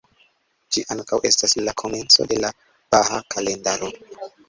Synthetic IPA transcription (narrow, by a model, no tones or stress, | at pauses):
d͡ʒiʔaŋkawʔe̞staslakʰo̞me̞nt͡so̞̰de̞la | b̥aɦa̰kʰale̞ndaɾo̞